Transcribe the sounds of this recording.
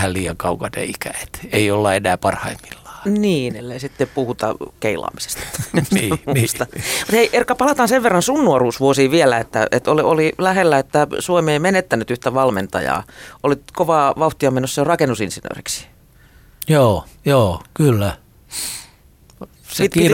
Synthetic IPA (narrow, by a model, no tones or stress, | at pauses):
hælliːɑŋkɑukɑnḛikæe̥t̪eiolːɑenæːpɑrhɑ̰imːilːɑ̥ːniːnelːeisit̪ːepuhut̪ɑ̰keilɑ̰ːmise̥st̪ɑ̥t̪ː | uist̪ɑmut̪heiʔerkːɑpɑlɑt̪ɑnseʋʋerːɑnsunːuɑruːsʋuosiːʋielæet̪ːæ̰ḛt̪oliolilæhelːæet̪ːæsuomieimenet̪ːænyt̪yht̪æʋɑlmḛnt̪ɑ̰jɑ̰ːʔolit̪koʋɑːʋɑuht̪iomenosserɑkenːusinsinø̰ːriksi̥ | joːjoːkylːæ | seit̪i